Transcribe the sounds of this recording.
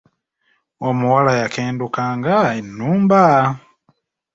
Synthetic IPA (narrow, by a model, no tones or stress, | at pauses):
omuwalajakeːndukaːŋɡaenːuːmba